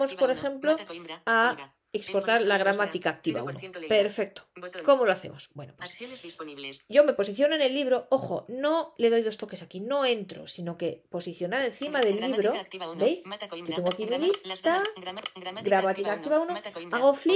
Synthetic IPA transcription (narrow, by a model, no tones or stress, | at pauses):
mo̞spo̞ɾe̞xẽ̞mplo̞a | ekspo̞ɾt̪aɾlaɣ̞ɾamat̪ikaːk̚t̪iβa̰unope̞ɾfe̞k̚t̪oko̞mo̞loaθe̞̰mo̞sb̥we̞̰nopwes | ɟ͡ʝo̞me̞po̞s̬iθjo̞noene̞lːiβɾo̞o̞xo̞̰no̞le̞ðo̞jðo̞st̪o̞ke̞sakino̞e̞nt̪ɾo̞̰sino̞ke̞po̞siθjo̞naɾe̞nθimaðe̞lːiβɾo̞bejsɟ͡ʝot̪eŋɡopimilist̪a | ɡɾamat̪ikak̚t̪iβaunoaɣo̞fli